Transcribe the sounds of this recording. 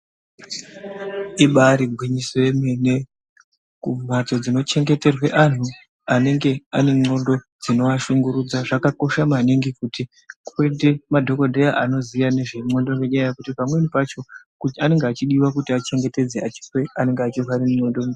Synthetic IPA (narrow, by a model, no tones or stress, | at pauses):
iɓaɾiɡʱwiɲisojeme̞ne̞ | kum̤ato̞d͡zino̞t͡ʃe̞ŋɡe̞te̞rwe̞ʔan̤u | ane̞ŋɡe̞ane̞ŋ͡ǀo̞ndo̞ | d͡zino̞ʋaʃuŋɡuɾud͡zaʐakako̞ʃamaniŋɡikuti | kwe̞de̞madʱo̞ko̞dʱejaʔano̞zijane̞ʐe̞ŋ͡ǀo̞ndo̞ŋeɲaajekutipamwe̞nipat͡ʃo̞ | kuane̞ŋɡeat͡ʃiɗiwakutiat͡ʃe̞ŋɡe̞te̞d͡zeat͡ʃi̥swe̞ane̞ŋɡeat͡ʃirwaɾimuŋ͡ǀo̞ndo̞m